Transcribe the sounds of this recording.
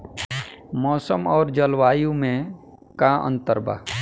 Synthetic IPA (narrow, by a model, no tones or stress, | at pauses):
mɔːsəmɔːɾd͡ʒəlwaːjũmẽ | kaʔə̰̃nt̪əɾba̰ː